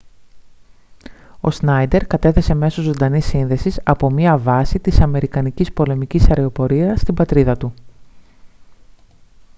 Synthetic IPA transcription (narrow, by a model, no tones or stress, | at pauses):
o̞̰snɐjd̪e̞ɾkɐt̪e̞θe̞se̞me̞so̞zo̞nd̪ɐnisːinðe̞sisɐpo̞miɐvɐsit̪isɐme̞ɾikɐnicispo̞le̞micisɐɾeo̞po̞ɾiɐst̪ibɐt̪ɾiðɐt̪u